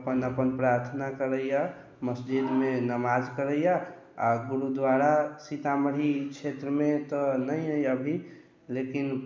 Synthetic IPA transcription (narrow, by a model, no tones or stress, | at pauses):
pənəpənpɾaːɾt̪ʰnakəɾəja | məsd͡ʒid̪mẽnəmad͡ʒkəɾəja | ɔːɾɡʊɾud̪waɾasit̪aməɾikt͡ʃʰet̪ɾəmẽt̪ɔnəĩɦəəbʱi | lekin